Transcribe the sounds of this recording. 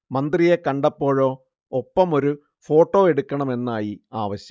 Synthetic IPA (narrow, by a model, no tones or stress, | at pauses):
mɐnd̪rije̞kɐɳɖɐpːo̞ːɻo̞ː | opːɐmo̞ɾu | fo̞ːʈːo̞ːeɽukʲːɐɳɐme̞nːaːjiaːʋɐɕjɐ